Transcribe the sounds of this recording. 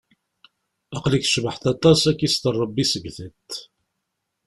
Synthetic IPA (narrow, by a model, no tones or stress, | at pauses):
ɑqlikʃvəħt̪æt̪ˤːɑsækːist̪ərˤːɑbːisəɡθət̪